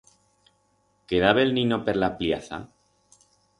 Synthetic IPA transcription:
ke̞ðaβe̞lninope̞ɾlapljaθa̰

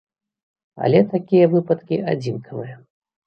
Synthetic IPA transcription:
ɐ̰lʲɛt̪akʲijɐvɨpɐt̪kʲiad͡zʲinkʰɐvɨjɐ

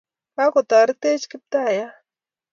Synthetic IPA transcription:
pakot̪aɾɪt̪et͡ʃkɪp̚t̪aja

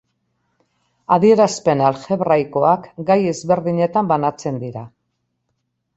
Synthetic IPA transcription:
aðie̞ɾaspe̞nalxe̞βrajko̞akɡaje̞zβe̞ɾðiɲe̞t̪ambanat͡se̞nd̪iɾa

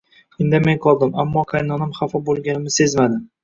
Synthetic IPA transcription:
ɪnd̪ɪmenqʰɒlˠd̪ɪmamːɒqʰajnɒnɪmχɑfɒbolˠɡʲanɪmɪse̞zmad̪ɪ

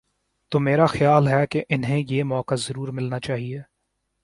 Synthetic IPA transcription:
t̪oːmeːɾaxjaːlɦɛkeʔɪnɦẽjeːmɔːkazɐɾuːɾmɪlnat͡ʃaːɦieː

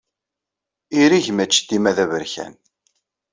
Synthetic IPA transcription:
iɾiʝmæt͡ʃːt̪ːimæðævəɾçæ̰n

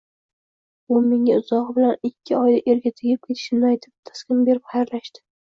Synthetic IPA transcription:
ʊmːɪŋʲaʊzɒʁbɪlanɪkʲʰːɪɒjd̪aʔe̞ɾɡʲat̪ʰɪɡʲɪp̚kʲʰe̞t̪ʰɪ̥ʃɪmnɪajt̪ʰɪp̚t̪ʰḁskʲɪmbe̞ɾɪpχajaɾlaʃt̪ɪ̥

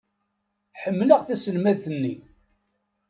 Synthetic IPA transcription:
ħəmːləʁθæsəlmæðθənːi

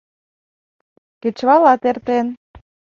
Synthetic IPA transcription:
ket͡ɕβɑlɑt̪ert̪en

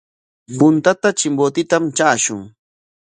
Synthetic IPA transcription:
pʊnt̪at̪at͡ʃɪmbot̪ɪt̪amt͡ʃaːʃʊŋ

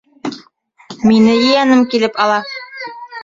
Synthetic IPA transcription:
minɘjɘ̆jænɘmkilɘpɑlˠɑ

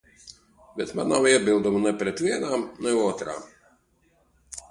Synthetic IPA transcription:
bʲɛt̪ma̰ːnamiɛbʲɪlˠd̪ɔmnɛpʲɾʲɛt̪ʋʲiɛnaːmnɛɔːt̪ɾa̰ːm

